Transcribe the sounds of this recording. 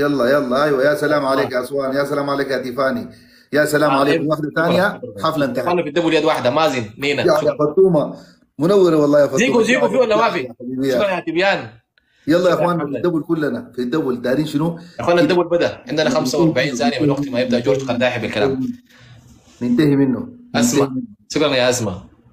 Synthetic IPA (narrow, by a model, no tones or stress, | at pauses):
jɑlˤːɑjɑlˤːɑʔajwajaːsalaːmʕaleːkjaʔsˤwaːnijaʔsalaːmʕaleːkjat̪ifaːni | jasalaːʕaleːkafd̪at̪aːnjaħaflant̪awanːafid̪abuljaːd̪waːħed̪amaːzinːeːnaafɑt̪ˤːuːma | mʊnawːɪɾawɑlˤːɑːjafɑziːkuziːkufiʔnːawaːfiabiːbɪjːakanjat̪ibjaːn | jɑlˤːɑːjʔaxwwaːnːafid̪abulkulːanafid̪ːabuld̪aːɾiːnʃinuexwaːnːd̪abulbad̪aʕɪnd̪anaxamsawɑɾˤbaʕiːnt̪aːnijaminwaɡ̚t̪imajɪb̚d̪aʔd͡ʒoːɾt̪qalt̪aːħebalkala̰ːm | nɪnt̪ahiminːuʔasmaʃukɾɑnajaʔasma